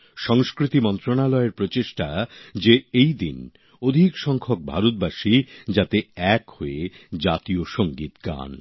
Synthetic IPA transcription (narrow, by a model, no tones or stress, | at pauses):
ʃɔŋskɾit̪imɔnt̪ɾonalɔeɾpɾot͡ɕeʃʈad͡ʑeejd̪ḭn | od̪ʱikʃɔŋkʰok̚bʱa̰ɾut̪̚baʃid͡ʑat̪eɛkhoed͡ʑat̪ioʃoŋɡit̪ɡa̰n